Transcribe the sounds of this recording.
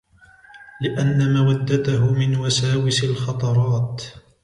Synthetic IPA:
lɪʔanːamawad̪ːat̪aɦʊmɪnwasaːwɪsɪlxɑt̪ˤɑɾˤɑːt̪

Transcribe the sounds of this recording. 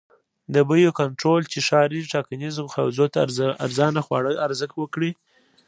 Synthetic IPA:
d̪əbəjokaɳʈɾolt͡ʃeʃɑɾiʈɑkanizmxawzot̪aa̰ɾzɑnaxwɑ̰ɽəaɾzəxwəkɽi

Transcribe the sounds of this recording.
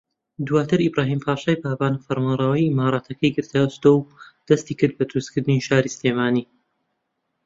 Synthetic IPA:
d̪uwaːt̪ʰɨɾibɾaːɦiːmpʰaːʃaːjbaːbaːnfɐɾmanrˤɑwɐjimaːɾˤɑːt̪ʰɐkʰɐjɡɨɾt̪ʰaɨst̪owd̪̥ɐst̪iːkɨɾd̪̚bɐd̪ɨɾust̪kɨɾd̪ɨniʃaːɾisleːmaːniː

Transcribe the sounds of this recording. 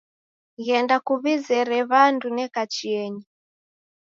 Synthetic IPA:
ɣɛndakuβizɛɾɛβandunɛkat͡ʃiɛɲi

